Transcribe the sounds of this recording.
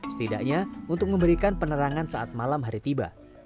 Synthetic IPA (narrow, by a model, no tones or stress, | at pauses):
sə̥t̪ida̰ʔɲaunt̪ʊk̚məmbəɾikanpənəɾaŋansaat̪̚malamɦaɾit̪iba̰